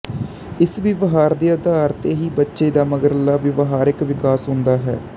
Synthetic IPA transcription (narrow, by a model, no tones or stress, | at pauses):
ɪsʋɪʋəɦaːɾd̪eːəd̪aːɾt̪eːɦiːbətːʃeːd̪aːməɡəɾəlaːʋɪʋɦaːɾɪkʋɪkaːsɦʊnd̪aːɦɛ̰ː